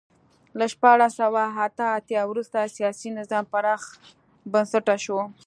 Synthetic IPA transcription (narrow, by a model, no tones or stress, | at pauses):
laʃpɑɽasawaat̪aːt̪jɑwɾust̪asijɑsinɪzɑmpaɾɑx | bənsaʈaʃo